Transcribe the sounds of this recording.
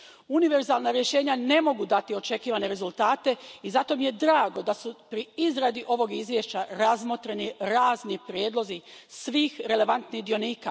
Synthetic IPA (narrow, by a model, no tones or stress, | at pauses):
uniʋe̞ɾzaːlˠnaɾje̞ʃe̞ːɲane̞mo̞ɡud̪at̪io̞t͡ʃe̞kiːʋane̞ɾe̞zulˠt̪aːt̪e̞izat̪o̞mije̞d̪ɾaːɡo̞d̪asupɾiizɾad̪iʔo̞ʋo̞ɡizʋjeʃt͡ɕaɾazmot̪ɾeniɾaːznipɾjeːd̪lˠo̞zisʋiːxɾe̞le̞ʋant̪nid̪io̞niːka